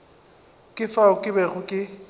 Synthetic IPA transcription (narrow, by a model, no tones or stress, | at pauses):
kʼɪfaʊkʼɪbɛɣʊkʼɪ